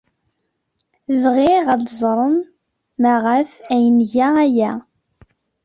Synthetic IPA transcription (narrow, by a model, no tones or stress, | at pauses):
vʁiʁæd̪zˤɾˤəm | mæʁæfæjənʝaæjæ